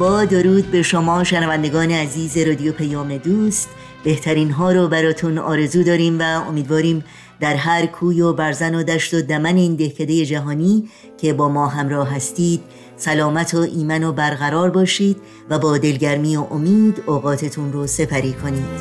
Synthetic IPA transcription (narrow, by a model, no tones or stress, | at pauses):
bɒːd̪oɾuːd̪be̞ʃomɒːʃenævænd̪e̞ɡɒːneæziːze̞ɾɒːd̪ijopʰejɒːme̞d̪uːst̪ | b̥e̞ht̪ʰæɾiːnɦɒːɾɔbæɾɒːt̪ʰunɒ̰ːɾe̞zuːd̪ɒːɾiːmvæo̞̰miːd̪vɒːɾiːm | d̪̥æɾɦæɾkʰuːjobæɾzæno̞d̪æʃt̪o̞d̪æmæne̞iːnd̪e̞hcʰed̪e̞je̞d͡ʒæɦɒːniː | cʰe̞bɒːmɒːɦæmɾɒːɦæst̪iːd̪̥̚ | sælɒːmæt̪ʰoʔiːmænobæɾɣæɾɒːɾbɒːʃiːd̪̥ | væbɒːd̪e̞lɟæɾmiːoʔomiːd̪oːɣɒːt̪ʰe̞t̪ʰunrose̞pʰæɾiːkʰo̞niːd̪̥